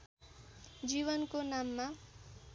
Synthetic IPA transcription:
d͡ʒiːʋənkonaːmːã

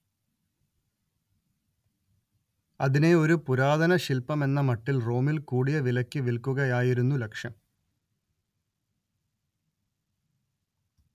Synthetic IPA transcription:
ɐðine̞o̞ɾupuɾaːðɐnɐɕilpɐme̞nːɐmɐʈːilro̞ːmilkuːɽijɐʋilɐkʲːɨʋilkuɣɐjaːjiɾunːulekʂjɐm

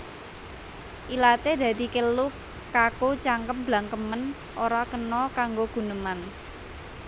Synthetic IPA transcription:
ʔilat̪ed̪̥ä̤d̪̥i̤kəlukː | akot͡ʃaŋkəp̚b̥laŋkəmən | ʔoɾakənɔkaŋɡoɡ̥ṳnəman

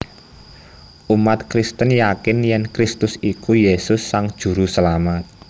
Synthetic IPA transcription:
ʔumat̪kɾist̪ənjakɪnjɛnkɾɪst̪ʊsikujesʊsːaŋd̥ʒ̥ṳɾusəlamat̪̚

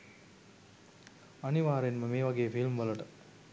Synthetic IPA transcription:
ɐniʋaːɾenməmeːʋaɡeːfilmʋɐlɐʈə

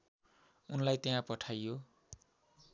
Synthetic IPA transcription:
unlajt̪eãpʌʈʰajːo

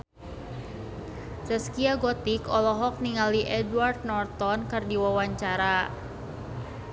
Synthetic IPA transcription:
səskiaɡɔt̪ikɔlɔɦɔk̚niŋaliʔɛdward̪̚nɔrt̪ɔnkərdiwawaɲt͡ʃaɾa

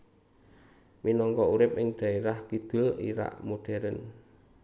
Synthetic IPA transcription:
minɔŋkɔuɾɪpɪŋɖ̪̥ä̤eɾahkid̪̥ʊ̤lḭɾa̰ʔmoɖ̥ɛɾən

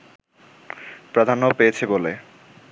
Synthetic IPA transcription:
pɾad̪ʱanopeet͡ɕʰebole

